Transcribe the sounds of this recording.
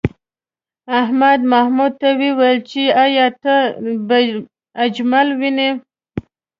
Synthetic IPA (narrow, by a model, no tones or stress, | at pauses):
ahmad̪mahmud̪̚t̪awiwajlt͡ʃiajɑt̪əb | ad͡ʒmalwine